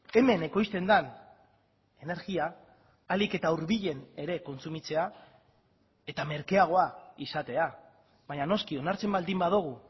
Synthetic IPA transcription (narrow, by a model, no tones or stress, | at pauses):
e̞me̞ne̞ko̞jst̪e̞nd̪an | e̞ne̞ɾɣiaː | like̞t̪auɾβiʎe̞ne̞ɾe̞ko̞nt͡sumit͡se̞a | e̞t̪ame̞ɾke̞aɣ̞o̞aisat̪e̞a | βaɲano̞skio̞naɾt͡se̞mbald̪imbaðuɣ̞u